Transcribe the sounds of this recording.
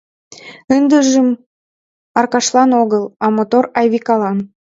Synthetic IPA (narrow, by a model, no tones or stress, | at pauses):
ənd̪əʒəm | ɑrkɑʃlɑnoɣəlɑmot̪orɑjβikɑlɑn